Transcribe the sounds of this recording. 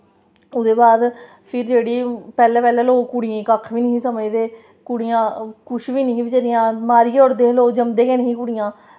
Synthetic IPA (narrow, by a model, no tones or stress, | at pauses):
ʊd̪eːbaːd̪ | pʰɪɾd͡ʒeːɽiːpɛːlɛːpɛːlɛːloːkʊɽɪẽːkəkʰʋiːnəɦĩːsəməjd̪eː | kʊɽɪjãːkʊʃʋiːnəɦĩːbit͡ʃəɾɪjãːmaːɾiːɔːɾd̪eːɦloːd͡ʒəmd̪eːkɛːnəɦĩːkʊɽɪjãː